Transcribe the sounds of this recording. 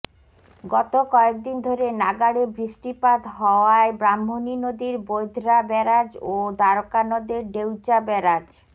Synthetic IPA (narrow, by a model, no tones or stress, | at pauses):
ɡɔt̪okɔek̚d̪ind̪ʱoɾenaɡaɽebɾiʃʈipad̪ɦɔoaebɾamːoninod̪iɾbojd̪ʱɾabɛɾad͡ʑod̪aɾokanod̪eɾɖewt͡ɕabɛɾad͡ʑ